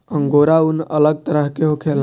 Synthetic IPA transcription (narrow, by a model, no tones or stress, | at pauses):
əŋɡoːɾaunələɡ̚t̪əɾəɦkeɦokʰel